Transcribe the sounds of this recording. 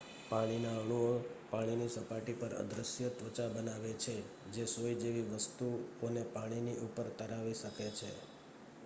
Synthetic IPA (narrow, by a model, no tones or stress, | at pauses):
paɽ̃inaəɭ̃uopaɽ̃inisəpaʈipəɾə̰d̪ɾəsjət̪ət͡ʃabənaʋet͡ʃʰe | d͡ʒesojd͡ʒeʋiʋəst̪uonepaɽ̃iniʔupəɾt̪əɾaʋiʃəket͡ʃʰe